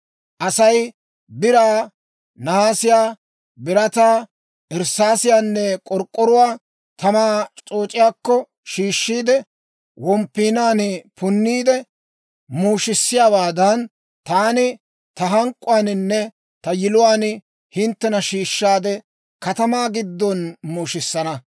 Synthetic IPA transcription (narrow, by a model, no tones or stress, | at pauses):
ʔɐsɐj | bɪɾaː | nɐaːsɪjaː | bɪɾɐt̪aː | ʔɛɾsaːsɪjaːnːɛkʼɔɾkʼːɔɾʊwaː | t̪ʰɐmaːt͡ʃt͡sʼoːt͡ʃʼɪjaːkːɔ | ʃiːʃːiːd̪ɛ | wɔmpːiːnaːnpʊnːiːd̪ɛ | muːʃɪsːɪjaːbaːd̪ɐn | t̪aːnɪ | t̪ɐɦɐŋkʼːʊwaːnɪnːɛ | t̪ɐjɪlʊwaːn | hɪnt̪ːɛnɐʃiːʃːaːd̪ɛ | kɐt̪ɐmaːɡɪd̪ːɔnmuːʃɪsːɐnɐ